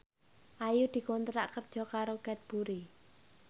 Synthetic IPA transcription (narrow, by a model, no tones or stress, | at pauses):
ʔajud̪̥i̤kɔnt̪ɾaʔkərd̥ʒ̥ɔ̤kaɾokɛt̪̚b̥uɾi